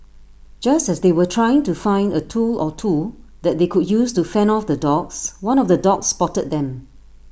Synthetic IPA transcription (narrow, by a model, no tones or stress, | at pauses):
d͡ʒastɛsdewətʰɹajɪ̃ŋtufãɪ̃ndətʰulɔtʰud̪ɛt̚d̪ekudjustufɛ̃nɔfdədɔkswãnɔfdədɔkspɔtəd̚dɛ̃m